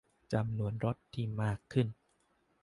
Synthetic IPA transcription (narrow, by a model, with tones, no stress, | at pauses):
t͡ɕa˧mnu˧˩ənɾo˦˥t̪ʰːiː˧˩maː˥˩kʰːɯ˥˩n